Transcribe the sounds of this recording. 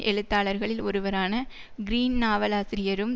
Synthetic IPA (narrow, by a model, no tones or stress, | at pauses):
ʔɛɻɯt̪ːaːɭɐɾɣɐɭɪlɔɾɯʋɐɾaːnɐ | ɡɪɾiːnnaːʋɐlaːsɪɾɪjɐɾɯm